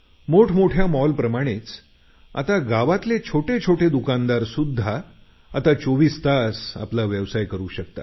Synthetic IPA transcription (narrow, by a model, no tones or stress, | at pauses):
moʈʰmoʈʰjamɔlpɾəmaɽ̃et͡s | a̰t̪aɡaʋat̪let͡ɕʰoʈet͡ɕʰoʈʰed̪ukand̪aɾsud̪ʱːaː | t̪at͡soʋiːst̪asa̰plaʋjəʋsajkəɾuːɕək̚t̪a̰